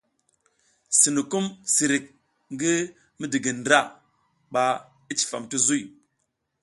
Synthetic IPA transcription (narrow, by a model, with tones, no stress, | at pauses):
si˨nu˨ku˦msi˨ɾi˨k̚ | ŋɡi˦ | mi˦di˨ɡi˨n˨dɾa˦˨ | ɓa˨ | i˦t͡ʃi̥˨fa̰˨mti˦zu˦j